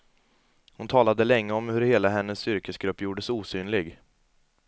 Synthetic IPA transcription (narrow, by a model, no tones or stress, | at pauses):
hʊnt̪ʰɑːlad̪əlɛŋːəɔmhɵɾheːlaɦɛnːəsːʏɾkəsɡɾɵpːjuːɖəsuːsyːnlɪɡ